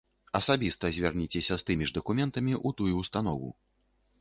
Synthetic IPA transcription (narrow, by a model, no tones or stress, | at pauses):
ɐsabʲist̪ɐzʲvʲarnʲit͡sʲɛsʲɐst̪ɨmʲiʐd̪ɐkumʲɛnt̪ɐmʲiʔut̪ujuːst̪an̪ɔvṵ